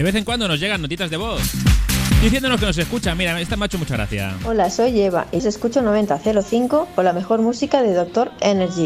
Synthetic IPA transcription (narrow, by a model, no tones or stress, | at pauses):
d̪eβe̞θe̞ŋkwand̪o̞no̞zʝe̞ɣ̞anːot̪it̪azðe̞βo̞θd̪iθjenonoskenos̬e̞skut͡ʃamiɾaest̪ameaet͡ʃo̞mut͡ʃaɣɾa̰θja̰o̞laso̞jʎe̞β̞a̰ʔise̞skut͡ʃonoβe̞nt̪aθe̞ɾoθiŋko̞kolame̞xo̞ɾmusikaðeðo̞k̚t̪o̞ɾeneɾʝi